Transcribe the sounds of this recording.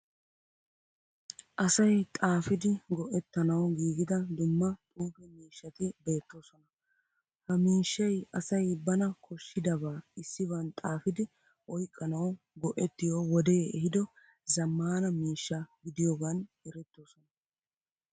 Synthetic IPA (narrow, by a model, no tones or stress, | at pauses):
ʔɐsɐjt̪ʼaːfɪd̪ɪɡɔʔɛt̪ːɐnɐwɡiːɡɪd̪ɐd̪ʊmːɐt̪ʼuːbɛmiːʃːɐt̪ɪbe̞ːt̪ːo̞ːsɔnɐ | hɐmiːʃːɐjɐsɐjbɐnɐkʰɔʃːɪd̪ɐbaːɪsːɪβɐnt̪ʼaːfɪd̪ɪ | ʔɔjkʼːɐnɐw | ɡɔʔɛt̪ːɪjoːwɔd̪e̞ːɛhɪd̪ɔ | zɐmːaːnɐmiːʃːɐɡɪd̪ɪjoːɡaːnɛɾɛt̪ːo̞ːsɔnɐ